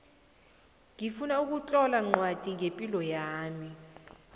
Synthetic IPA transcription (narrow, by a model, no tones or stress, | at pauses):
ŋifunauk̬ut͡ɬʼɔlaŋ͡ǃwad̥ʱiŋepʼilɔjaːmi